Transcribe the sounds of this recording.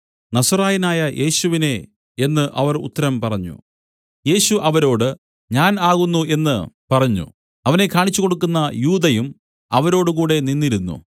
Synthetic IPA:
nɐsɐraːjinaːjɐjʔe̞ːɕuʋine̞ | e̞nːɨʔɐʋɐrṵt̪ːɐɾɐmpɐrɐɲːṵ | je̞ːɕuʔɐʋɐɾo̞ːɽɨ | ɲaːnaːɣunːuʔe̞nːɨpɐrɐɲːṵ | ɐʋɐne̞kʰːaːɳit͡ɕːuko̞ɽukːunːɐjuːd̪ɐjum | ɐʋɐɾo̞ːɽɨk̬uːɽe̞ninːiɾunːṵ

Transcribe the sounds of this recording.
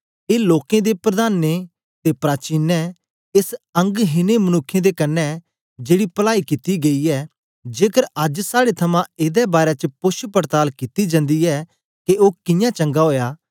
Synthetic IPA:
eːloːkẽd̪epɾɐd̪aːne | t̪epɾaːt͡ʃiːnːɛ | ɪsɐ̃ŋɡɦɪnemɐnʊkʰːẽd̪ekɐnːɛ | d͡ʒeːɽipɐlaːikɪt̪iɡeiɛ | d͡ʒeːkəɾɐd͡ʒsaːɽet̪ʰɐmãeːd̪ɛbaːɾɛt͡ʃəpʊʃpəɾt̪aːlkɪt̪id͡ʒɐ̃nd̪iɛː | keʔoːkɪ̃jãt͡ʃɐ̃ŋɡaɦoːjaː

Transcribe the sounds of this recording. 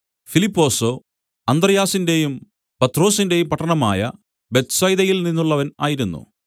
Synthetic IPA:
filipːo̞ːso | ɐnd̪rɐjaːsinde̞jum | pɐt̪ːro̞ːsinde̞jumpɐʈʰːɐɳɐma̰ːjɐ̰ | be̞t̪sɐjðɐjilninːuɭːɐʋɐna̰ːjiɾunːṵ

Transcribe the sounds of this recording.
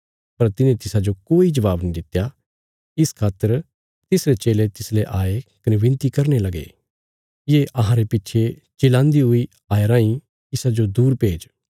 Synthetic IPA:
pɐɾt̪ɪnẽt̪ɪsad͡ʒokoːid͡ʒɐʋaːbnĩd̪ɪt̪ja | ɪskʰaːt̪əɾ | t̪ɪsɾet͡ʃeːlet̪ɪsleʔaːekɐneʋɪ̃nt̪ikɐɾnelɐɡḛ | jeːʔɐɦãɾepɪtːt͡ʃʰe | t͡ʃeːlãːnd̪iɦʊi | aːeɾãːĩ | ɪsad͡ʒod̪uːɾpeːd͡ʒ

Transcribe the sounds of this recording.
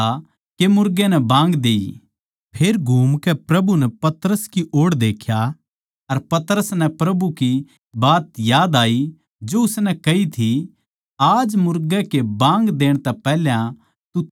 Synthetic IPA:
a | kemʊɾɡẽnɛbãːŋɡd̪eːḭ | pʰeːɾɡʱuːmkɛpɾɐbunɛpɐt̪əɾəskiʔoːɽd̪eːkʰja | ɐɾpɐt̪ɾəsnɛ̃pɾɐbuki | baːt̪jaːd̪aːi | d͡ʒoʊsnɛkɐit̪ʰi | aːd͡ʒmʊɾɡɛkebãːŋɡd̪eːɽ̃t̪ɛpɛːljã | t̪u

